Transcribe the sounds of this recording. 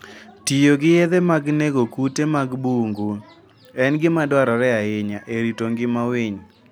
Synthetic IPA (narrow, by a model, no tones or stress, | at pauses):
tijoɡɪjeðemaɡneɡokutemaɡbuŋɡu | ɛnɡɪmadwaɾaɾɛaɪɲaʔeɾitoŋɡɪmawɪɲ